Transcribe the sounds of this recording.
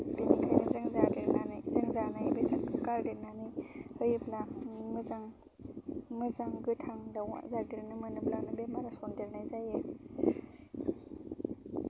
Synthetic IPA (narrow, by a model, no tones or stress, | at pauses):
benikʰajnizaŋzadeɾazaŋzanajebesatkʰɯkaɾdeɾnanihɯjɯblamɯzaŋ | mɯzaŋɡɯtʰaŋdawa̰zaɾdiɾnɯmɯnɯblanabemaɾasondeɾnajzaje